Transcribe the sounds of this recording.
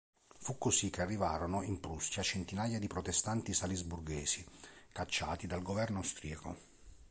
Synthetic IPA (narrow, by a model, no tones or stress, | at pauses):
fukːosikːearːivaːɾonoimpɾusjat͡ʃent̪inaːjad̪ipɾot̪est̪ant̪isalizburɡeːsikat͡ʃːa̰ːt̪id̪alɡovɛrnoawst̪ɾiako̰